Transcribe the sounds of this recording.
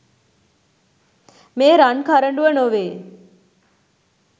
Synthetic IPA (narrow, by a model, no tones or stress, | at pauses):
meːɾankʰaɾəɳɖuənoʋeː